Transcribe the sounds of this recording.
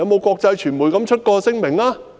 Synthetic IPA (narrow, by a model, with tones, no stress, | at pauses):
ɐ˧wmo˨˧wkʷɔː˧k̚t͡sɐ˧jt͡ʃʰyː˨˩nmuː˨˩jkɐ˨˥mt͡ʃʰɵ˥t̚kɔː˧sɪ˥ŋmɪ˨˩ŋaː˥